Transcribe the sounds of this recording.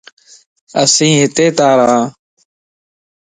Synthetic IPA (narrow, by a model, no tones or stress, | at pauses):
ə̰sĩːɦɪt̪eːt̪aːɾaː